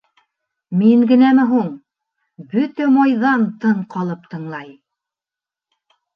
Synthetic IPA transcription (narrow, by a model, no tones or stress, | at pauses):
miŋɡɘ̆næmɘɦuɴ | bɵt̪æmɑjðɑnt̪ɤɴqɑlˠɤp̚t̪ɤ̆ɴlˠɑj